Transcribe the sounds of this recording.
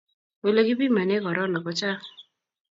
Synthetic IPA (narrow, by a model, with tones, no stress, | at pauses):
we˨lo˦ki˦bi˦ma˨ne˦kɔ˨ɾɔ˦nɔ˨kɔ˨˦t͡ʃa˦